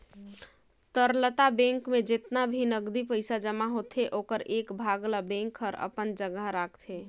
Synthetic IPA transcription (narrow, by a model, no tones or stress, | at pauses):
t̪əɾlət̪abɛ̃ŋkmed͡ʒɪt̪nabʱinəɡd̪ipəɪsad͡ʒəmaɦot̪ʰɦeʔokəɾekbʱaɡlabɛ̃ŋkʰəɾə̰pənd͡ʒəɡəɦɾakʰt̪ʰe